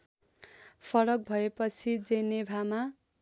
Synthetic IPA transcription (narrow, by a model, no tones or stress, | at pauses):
pʰʌɾʌk̚bʱʌepʌt͡sʰid͡zenebʱama